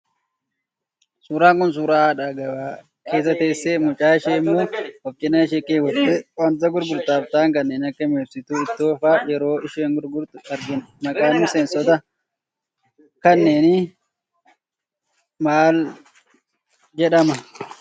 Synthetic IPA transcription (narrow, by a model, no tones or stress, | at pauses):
suːɾaːŋkʊns̬uːɾaːᶑaɡɐbaː | ke̞ːs̬ːɐt̪e̞ːsːeːmʊt͡ʃʼaːɪʃeːmːoːwɔfkʼɪnːɐnɪʃ̬eːkʼːeːwɔɛɐnt̪ɐɡʊɾɡʊɾt̪aːft̪aːŋkɐnːeːnɐkːɐmeːfsɪt̪uːɪt̪ːoːfaːjɛɾo̞ːʔɪʃeːŋɡʊɾɡʊɾt̪ʊɐɾɡɪnmɐkʼaːnːʊsɛnsɔt̪ɐ | kɐnːeːnɪ | maːl | d͡ʒɛᶑɐmɐ